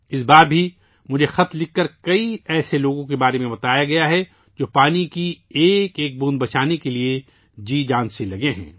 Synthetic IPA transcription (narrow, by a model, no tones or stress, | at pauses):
ɪsbaːɾbʱi | mʊd͡ʒʱexɐt̪llɪkːɐɾkɐiɛːseloːɡõkebaːɾemẽbɐt̪aːjaɡɐjaɦɛ | d͡ʒoːpaːnikieːkeːk̚bũːnd̪bɐt͡ʃaːnekelie | d͡ʒiːd͡ʒãːnselɐɡeɦɛ̰̃ː